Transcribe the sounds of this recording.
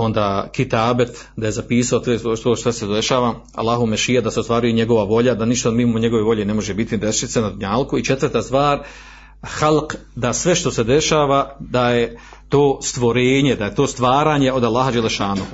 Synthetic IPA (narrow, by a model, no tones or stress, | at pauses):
o̞nd̪aːkit̪aːbet̪ | d̪ajezapiːsaoseot̪oːʃt̪esed̪eʃaːʋa | a̰lːaːɦumeʃijad̪asest̪ʋaːɾujeɲe̞ɡo̞ʋaʋo̞ʎad̪aniʃt̪omimoɲe̞ɡoʋeʋo̞ʎene̞mo̞ʒebit̪ind̪essenad̪uɲaːlkuit͡ʃe̞t̪ʋərt̪ast̪ʋaːɾ | xalqd̪asʋe̞ʃt̪osed̪e̞ʃaːʋad̪aje | t̪oːst̪ʋo̞ɾeːɲed̪ajet̪o̞ːst̪ʋaːɾaːɲe̞o̞d̪alːaːɦad͡ʒalːeʃaːnu